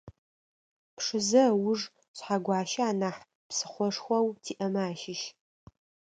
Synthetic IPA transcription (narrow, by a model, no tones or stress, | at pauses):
pʂɨzɐwʊʐ | ɕʷħaɡʷɑːʃɐaːnaħ | psɨ̥χʷɔʂxʷɐwtʰiːʔɐmaːʃɪʃ